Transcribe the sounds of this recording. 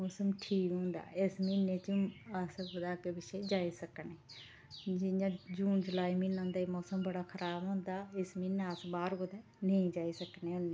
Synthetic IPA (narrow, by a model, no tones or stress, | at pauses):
mɔːsəmʈʰiːkɦõːnd̪a̰ːɪsmineːt͡ʃəsɡʊd̪aːkeːbɪʃeːd͡ʒaːiːsəkneː | d͡ʒɪjãːd͡ʒuːnd͡ʒʊlaːiminõːnd̪aiːmoːsəmbəɽaːkʰəɾʔaːbõːnd̪aːɪsmiːnːaasbaːɾɡʊd̪eː | nəĩːd͡ʒaːiːsəkneːʊnːeː